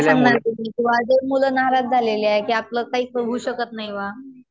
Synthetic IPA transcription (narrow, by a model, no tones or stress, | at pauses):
saŋɡnat̪umiːk̪ĩʋʋad͡zeɾmuləːnaɦaɾat̪̚d͡zʱaleleaekiːapləːkaɦiːkəɾɦuːɕəkət̪naɦiʋa